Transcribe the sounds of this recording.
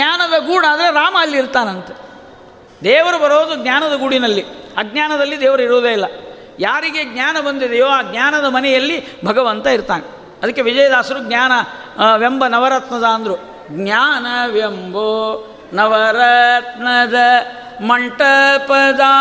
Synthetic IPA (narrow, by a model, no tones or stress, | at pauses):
ɲaːnɐd̪ɐɡuːɽaːd̪ɐɾeɾaːmɐːlːiːɾt̪aːnɐnt̪ɐ | d̪ɛːʋɐɾubɐɾoːd̪uɡnjaːnɐd̪ɐɡuɽinɐlːiaːɡnaːnɐd̪ɐlːid̪ɛːʋɐɾɐiɾoːd̪eːilːɐ | jaːɾiɡeɡ̚nɲjaːnɐbɐnd̪id̪ɛjoːaːɡnjaːnɐd̪ɐmɐnɛjɐlːibʱɐɡɐʋɐnt̪ɐiɾt̪aːne | ɐd̪ɐkːe̞ʋid͡ʒɐjɐd̪aːsɐɾuɡnaːnɐ | ʋjembɐnɐʋɐɾɐt̪nɐd̪aːɐnd̪ɐɾu | ɡnjaːnɐʋjembo | nɐʋɐɾɐt̪nɐd̪ɐ | mɐɳʈɐpɐd̪aː